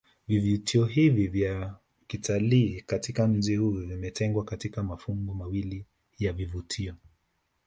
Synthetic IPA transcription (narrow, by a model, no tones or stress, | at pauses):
vivutʰiɔɦivivja | kitʰaliːkatikam̩d͡ʒihujvimɛtɛŋɡwakatikamafuŋɡɔmawili | javivutʰiɔ